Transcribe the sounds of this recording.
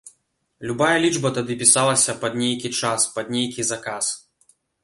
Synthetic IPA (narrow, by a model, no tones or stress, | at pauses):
lʲubajɐlʲid͡ʐbɐt̪ad̪ɨpʲisalˠɐsʲɐpɐd̪nʲejkʲit͡ʂaspɐd̪nʲejkʲizakas